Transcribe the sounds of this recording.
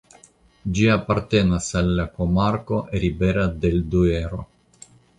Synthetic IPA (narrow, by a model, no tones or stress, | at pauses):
d͡ʒiapaɾt̪enasalːakomaɾkoʔeɾibeɾad̪eld̪ueɾo̰